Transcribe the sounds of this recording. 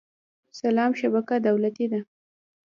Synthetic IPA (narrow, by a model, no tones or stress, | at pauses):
salɑmʃabakad̪awlat̪id̪a